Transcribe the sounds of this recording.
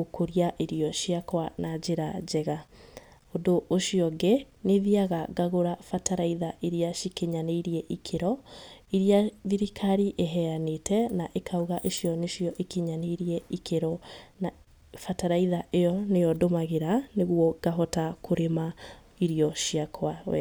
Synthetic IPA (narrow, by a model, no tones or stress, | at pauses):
okʰoɾiaʔeɾiɔʃiakwanad͡ʑeɾad͡ʑɛɣa | odoʔːʃiɔɡeneðiaɣaɡaɣoɾafataɾaiðaʔeɾiaʃikeɲaneiɾiɛʔikʰeɾɔiɾiaðiɾikʰaɾiʔeɦɛanetʰɛnaʔekʰauɣaʔeʃijɔneʃiɔʔekeɲaneiɾiɛikʰeɾɔn | fataɾaiðaʔejɔnejɔdomaɣeɾaneɣwɔɡ̥aɦɔtakʰoɾema | iɾiɔʃiakʰwawɛ̰